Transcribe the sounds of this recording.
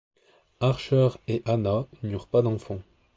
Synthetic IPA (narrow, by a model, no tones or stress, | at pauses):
aʁʃœʁeʔananyʁpad̪ɑ̃fɑ̃